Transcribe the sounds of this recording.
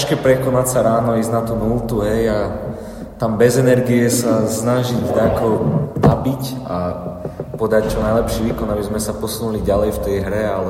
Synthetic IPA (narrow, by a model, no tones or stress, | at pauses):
ʃkɛpɾɛkɔnacsaɾaːnɔiːznat̪unult̪uɦɛja | t̪ambɛzɛnɛɾɡiɛsasnaʒiɟd̪akɔʊnabica | pɔd̪act͡ʃɔnajlɛpʃiʋiːkɔnabizmɛsapɔsunuliɟalɛjft̪ɛjɦɾɛalɛ